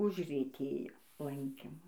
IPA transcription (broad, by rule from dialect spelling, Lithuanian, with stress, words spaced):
ʊʒʲrʲiɛˈtʲeːjoː ˈlˠɐŋʲkʲɪmʊ